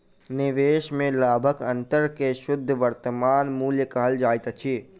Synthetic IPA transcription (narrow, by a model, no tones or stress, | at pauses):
nɪʋeːʃmẽlaːbʱəkɐ̃nt̪əɾkeʃʊd̪ʱːʋəɾt̪əmaːnmuːljəkaːəld͡ʒaːjt̪ət͡ʃʰiː